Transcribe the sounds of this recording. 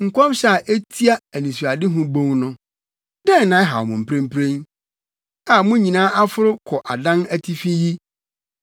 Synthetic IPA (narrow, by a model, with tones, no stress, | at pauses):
ŋ̩˨kʷʰɔ˦mɕɛ˦a˨ʔe˦tʰi˦a˦æ˨nĩ˨su˨a˨dɪ˦ɦʊ̃˦bõ˦ŋnʊ̃˦ | dɛ̃˦n˨nã˨˦ɛ˦ɦa̰˨ɔ˨mʊ̃˨m̩˨pʰɾẽ˦m̩˦pʰɾẽ˦n | a˨mʊ̃˦ɲĩ˨nãː˦ʔa˦fʊ˦ɾʊ˦kʰɔ˨ʔa˨dã˦næ˦tʰi˦fĩ˦ji˦